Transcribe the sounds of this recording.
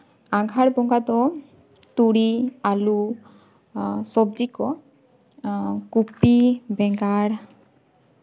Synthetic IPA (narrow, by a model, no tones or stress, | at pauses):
aɡʱaɽbɔŋɡad̪ɔ | t̪uɽialu | sɔbd͡ʒikɔ | kupibɛŋɡaɽ